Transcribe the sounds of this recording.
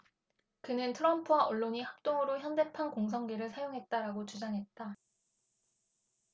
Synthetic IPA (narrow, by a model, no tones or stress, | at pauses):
kɯnɯntʰɯɾʌmpʰuwaʌɭːoɲihak̚t͈oŋɯɾoçjʌnde̞pʰankoŋs̬ʰʌŋɡeɾɯɭsʰajoŋɦe̞t̚t͈aɾaɡot͡ɕud͡ʑaŋɦe̞t̚t͈a